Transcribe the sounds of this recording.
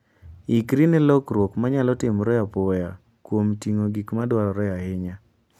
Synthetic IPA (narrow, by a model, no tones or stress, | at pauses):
ikɾinɛlɔkɾwokmaɲalɔtɪmɾɔapɔja | kwomtiŋoɡikmadwaɾɔɾɔjahɪɲa